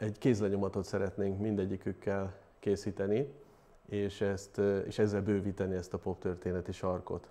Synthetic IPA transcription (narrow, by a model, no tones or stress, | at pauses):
ɛɟkeːs̬lɛɲo̞mɒt̪o̞t̪sɛɾɛt̪neːŋkmind̪ɛɟːikykːɛl | keːsiːt̪ɛni | eːʃɛst̪ḛːʃɛzːɛlbøːviːt̪ɛniɛst̪ɒpo̞pt̪ørt̪eːnɛt̪iʃɒrko̞̰t̪